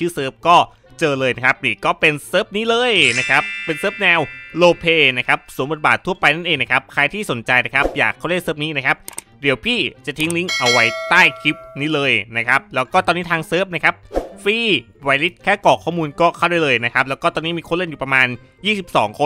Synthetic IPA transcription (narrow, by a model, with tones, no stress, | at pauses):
t͡ɕʰɯː˥˩sɤː˦˥p̚kɔː˥˩ | t͡ɕɤː˧lɤː˧jna˦˥kʰa˦˥p̚niː˨˩kɔː˥˩pe˧nsɤː˦˥p̚niː˦˥lɤː˧jna˦˥kʰa˦˥pːe˧nsɤː˦˥p̚nɛː˧wloː˧pʰeː˧na˦˥kʰa˦˥p̚su˨˩˦mbo˨˩baː˨˩t̪ʰːu˥˩ɐpa˧jna˥˩nʔeː˧ŋna˦˥kʰa˦˥p̚kʰa˧jt̪ʰiː˥˩so˩˦nt͡ɕa˧jna˦˥kʰa˦˥p̚jaː˨˩kʰːa˥˩wda˥˩nsɤː˦˥p̚niː˦˥na˦˥kʰa˦˥p̚ | d̪i˩˦wpʰiː˥˩t͡ɕa˨˩t̪ʰi˦˥ŋli˦˥ŋʔa˧wa˦˥jt̪aː˥˩jkʰi˦˥p̚niː˦˥lɤː˧jna˦˥kʰa˦˥p̚lɛː˦˥wkɔː˥˩t̪ɔː˧niː˦˥t̪ʰaː˧ŋsɤː˦˥˩p̚na˦˥kʰa˦˥p̚fiː˥˩ | wa˧jli˦˥t̪̚kʰɛː˥˩kɔː˨˩kʰɔː˥˩muː˧nkɔː˥˩kʰa˥˩wda˥˩jlɤː˧jna˦˥kʰa˦˥p̚lɛ˦˥wkɔː˥˩t̪ɔː˧niː˦˥miː˧kʰo˧˥nle˥˩ju˨˩pɾa˧maː˧n | jiː˥˩si˨˩p̚sɔ̰ː˩˦ŋkʰo˧